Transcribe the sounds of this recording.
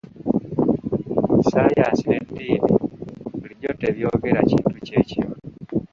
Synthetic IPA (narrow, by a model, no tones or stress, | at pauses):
isajasinendiːnḛβuliɟoteβjo̞ɡeɾaciːntuce̞ciɾonu